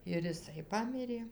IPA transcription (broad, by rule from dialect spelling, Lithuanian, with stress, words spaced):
ɪr ɪˈsɐɪ ˈpɑːmʲɪrʲeː